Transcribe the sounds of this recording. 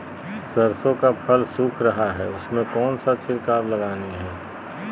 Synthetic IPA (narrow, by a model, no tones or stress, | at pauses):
səɾsõkapʰəlsuːkʰɾɐɦaɦɛːʊsmẽkɔːnsat͡ʃʰɪɾkaːɾlɐɡaːniɦɛː